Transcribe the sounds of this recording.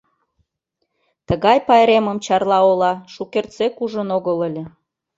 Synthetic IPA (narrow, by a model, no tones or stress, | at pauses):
t̪əɣɑjpɑeɾeməmt͡ɕɑrlɑolɑʃukert͡sekuʒənoɣələlʲĕ